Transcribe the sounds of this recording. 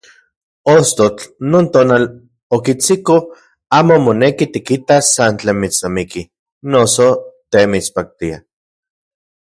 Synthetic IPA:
ost̪ot͡ɬnoːnt̪oːnal | okit͡siko | aːmomonekit̪ikit̪asant͡ɬeːnmit͡snamiki | nosot̪emit͡spak̚t̪ia̰

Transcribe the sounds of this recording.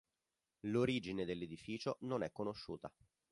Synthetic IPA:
loɾiːd͡ʒined̪elːed̪ifiːt͡ʃononɛkːonoʃːṵːt̪a

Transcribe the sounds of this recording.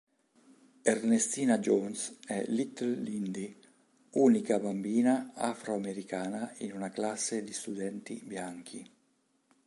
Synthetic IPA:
ernest̪iːnad͡ʒonsɛ̰lit̪llind̪i | uːnikabambiːnaa̰fɾoameɾikaːnainunaklasːed̪ist̪ud̪ɛnt̪ḭbjaŋk̟ʰi

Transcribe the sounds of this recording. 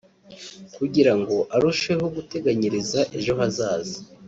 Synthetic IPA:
kuɟiɾaŋɡo̞ʔaɾuʃwe̞hoɡute̞ɡaɲiɾizaʔe̞ʒo̞ɦazaːzi

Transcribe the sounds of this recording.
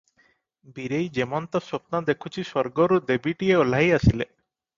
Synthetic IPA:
biɾejd͡ʒemɔnt̪ɔsop̚nad̪ekʰut͡ʃʰisɔɾɡɔɾud̪ebiʈieolajasile

